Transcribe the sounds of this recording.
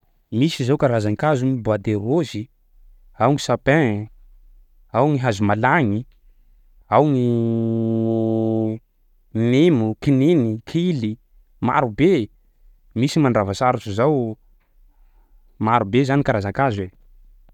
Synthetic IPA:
misizawkaɾazaŋkazunibad̪eɾozi | awŋisapɛ̃ | awŋiɦazumalaŋi | awŋi | nemukinenikʰili | ma̰ɾube | misimaɳɖ͡ʐavasaɾut͡ʃuzaw | maɾubezanikaɾazaŋkazwe

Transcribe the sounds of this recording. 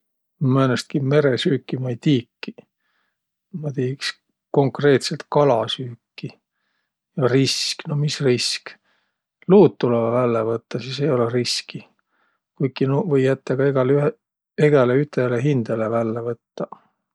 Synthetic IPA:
menest̪̚kime̞ɾesyːkːimɑjt̪iːkːi | mɑt̪iːks | ko̞ŋkre̞ːt̪se̞lt̪kɑlɑsyːkːi | jɑrisknomisrisk | luːt̪ːulevɑvælːevɤt̪ːɑsisejo̞leriski | kujkːinuvɤjːæt̪ːeɡ̥ɑeɡɑly | eɡ̥eleyt̪ˑeleɦind̪̥elevælːevɤt̪ːɑ

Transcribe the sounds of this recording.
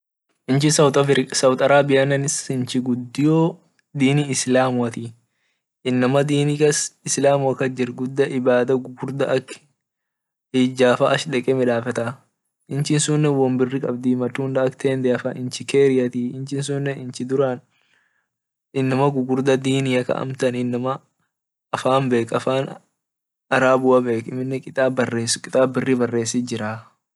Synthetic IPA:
ʔɪnt͡ʃɪsɐwt̪ɐsɐwt̪ʼɐɾaːbɪjɐnɐnɪsɪnt͡ʃɪɡʊd̪ːɪjoː | d̪iːniːɪslaːmʊɐt̪i | ɪnːɐmɐd̪iːnikɐsɪslaːmʊɐkːɐd͡ʒɪɾɡʊd̪ːɐʔɪbaːd̪ɐɡʊɡʊɾd̪ɐʔɐkː | ɪːd͡ʒaːfɐʔɐʃᶑɛkʼɛmɪᶑaːfɐt̪ɐ | ʔɪnt͡ʃɪnsʊnːɛwɐmbɪrːɪkʼɐb̚d̪imɐt̪ːuːnd̪ɐɐkt̪ʰeːnd̪ɛɐfɐʔɪnt͡ʃɪkeːɾɪjɐt̪iɪnt͡ʃɪns̬ʊnːɛɪnt͡ʃɪd̪ʊɾan | ɪnːɐmɐɡʊɡʊɾd̪ɐd̪iːnɪjɐkɐ̰ʔɐ̰mt̪ɐnɪnːɐmɐ | ɐfaːmbe̞ːkɐfaːn | ɐɾaːbʊwɐbe̞ːkɪmːɪnːɛkʼɪt̪ʼaːbɐrːeːskʼɪt̪ʼaːbɪrːɪbɐrːe̞ːsɪd͡ʒɪɾaː

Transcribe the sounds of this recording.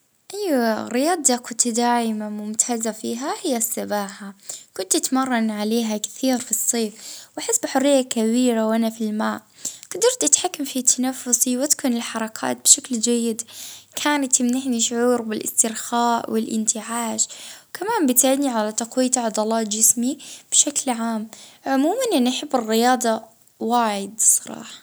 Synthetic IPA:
ʔajːɾɪjɑːd̪ˤɑkʊt̪d̪aːʕɪmamʊmt̪ʰaːzafiːɦahɪjːasːabaːħakʊnt̪ʔat̪mɑrˤːɑnʕaleːɦakθiːɾfisˤːeːfwʔaħɪsːbħʊrːɪjːakabiːɾawʔanafilmaːʔɡ̥ad̪ɑɾt̪ʔat̪ħakːamfit̪ʰːanafːʊsiwat̪kuːnɪlħɑɾˤɑkʰa̰ːt̪̚bɪʃakld͡ʒajːɪd̪kʰaːnat̪ɪmnɪħniʃʊʕuːɾbɪlʔɪ̰st̪ɪɾxaːʔwɪlʔɪ̰nt̪ɪʕaːʃwkʰamaːmbɪt̪ʕɪd̪niʕalat̪aqwiːt̪ʕɑd̪ˤɑlɑːt̪d͡ʒɪsmib̥ʃaklʕaːmʕʊmuːmanʔɪnʔaħɪbːɪrːɪjɑːd̪ˤɑ | waːʕɪd̪sˤɑɾˤɑ̰ːħɑ̥

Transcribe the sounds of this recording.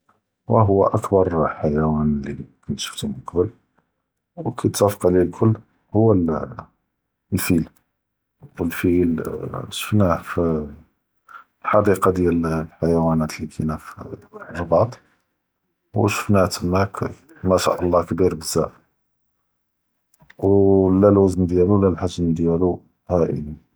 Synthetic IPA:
wæɦʊwːæ̰ʔækbɑɾˤħajæwænlikunt̪ʃə̥ft̪imʊqbəl | wkʰit̪sæfə̥qʕlilkʰʊlː | hʊwːæl | lfil | wəlfilʃə̥fnæf | lħɑd̪iqɑd̪jællħajwænæt̪likʰinæf | bɑd̪ˤ | wʃə̥fnæht̪əmːæk | mæʃa̰ʔɑlˤːɑkbiɾbəzːæ | wlælwæznd̪jælulælħaʒənd̪jælu | hæʔə̰ni

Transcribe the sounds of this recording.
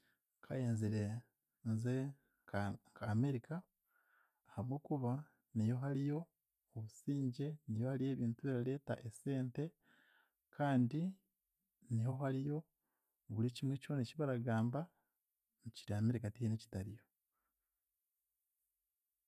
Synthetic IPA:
kʰajeːnziɾe | nze | kʰaːme̞ɾikaː | haβwoːkuβa | nijo̞ɦalijo̞ː | βusiːɲɟe̞nijo̞halije̞ːβiːntuβeɾale̞ːta̰ʔese̞ːnte̞ | kʰaːndi | niho̞ɦaɾijo̞ | βuliciːmweco̞ːneciβaɾaɡaːmba | nuciɾiame̞ɾikatieneci̥taɾijo̞

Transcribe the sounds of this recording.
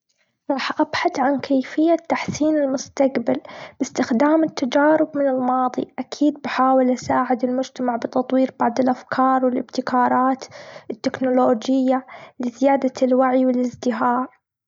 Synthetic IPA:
ɾˤɑːħʔabħaθʕankʰeːfɪjːat̪ːaħsiːnɪlmʊst̪aqbalb̥ɪst̪ɪxd̪aːmɪt̪ːad͡ʒaːɾɪbmɪnɪlmɑːðˤḭʔakʰiːd̪̚baħaːwɪlʔasaːʕɪd̪ɪlmʊd͡ʒt̪amaʕbɪt̪ɑt̪ˤwiːɾbɑʕd̪ˤɪlʔafkʰɑːɾˤwɪlʔɪbt̪ɪkʰɑːɾˤɑːt̪ʔɪt̪ːɪknʊloːd͡ʒɪjːalɪzɪjaːd̪alwaʕjwɪlɪzd̪ɪɦɑːɾ

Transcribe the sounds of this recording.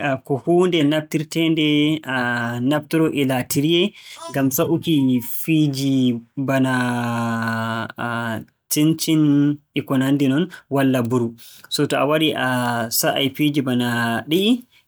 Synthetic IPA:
akɔhuːndɛnab̚tiɾtɛndɛanabtiɾɔʔilatiɾijɛŋɡamsaʔukifid͡ʒibana | tint͡ʃin | ikɔnandinɔnwalːabuɾusɔtɔawaɾiʔasaʔa̰jfid͡ʒibanaɗii

